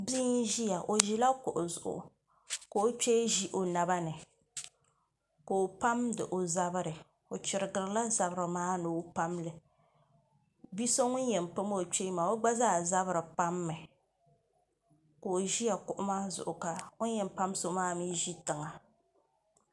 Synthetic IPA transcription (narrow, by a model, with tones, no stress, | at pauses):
bi˦nʒi˦ja˨ʔo˨ʒi˦la˦kʊ̰˨ʔʊ˨zʊ˨ʔʊ̰˨ | ko˨o˦t͡ʃe˦ʒi˦ʔo˨na˨βa˦nɨ˨ | ko˨o˨pa˦mdɨ˨ʔo˨za˦bɨ˦ɾɨ˨ | o˨t͡ʃɪ˨ɾɨ˨ɡɨ˨ɾɨ˨la˦za˨bɾɨ˨maː˦nɨ˨˦pa˦mlɨ˨ | bi˦so˦ŋʊ˦njɛ˨m˨pɨ˦mo˦o˨t͡ʃe˦maː˨o˦ɡ͡ba˦zaː˦za˦βɨ˦ɾɨ˨pa˦mːɨ˨ | ko˨o˨ʒi˦ja˨kʊ˦ʔʊ˦maː˦zʊ̰˨ʔʊ˨ka˨ŋʊ˦jɛ˨m˨pa˦m˦so˨maː˦˨miː˦ʒi˦tɨ˨ŋa˨